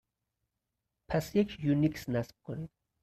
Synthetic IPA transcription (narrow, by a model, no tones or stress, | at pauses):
pʰæsjekʰjuniksnæsb̥̚kʰonid̪̥